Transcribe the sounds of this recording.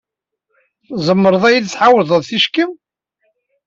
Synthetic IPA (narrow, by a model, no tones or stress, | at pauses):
zˤəmːəɾˤəðˤæjiðt͡sːħawðˤəðˤθiʃki